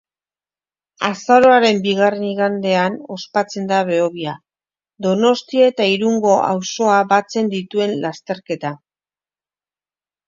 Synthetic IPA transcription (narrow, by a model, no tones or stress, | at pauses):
asaɾo̞aɾe̞mbiɣare̞niɣand̪e̞ano̞spat͡se̞nd̪aβe̞oβia | d̪o̞no̞st̪ioet̪aiɾuŋɡo̞ʔa̰wso̞abat͡se̞nd̪it̪ue̞nlast̪e̞ɾke̞t̪a